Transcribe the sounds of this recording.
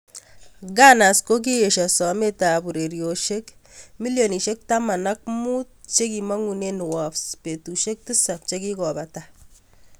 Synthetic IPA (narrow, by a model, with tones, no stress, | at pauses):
ɡa˦na˨sko˦k̬i˦je˨ʃa˨sɔ˨me˦ta˨bu˨ɾe˨ɾjo˨ʃe˦kmi˦ljo˨ni˨ʃe˦k̚ta˦ma˨na˦k̚mu˦t̚t͡ʃe˦ki˨ma˦ŋu˨ne˦n˨wa˨fspe˨tu˨ʃe˦k̚ti˦sa˨p̚t͡ʃeki˦kɔ˨ba˨ta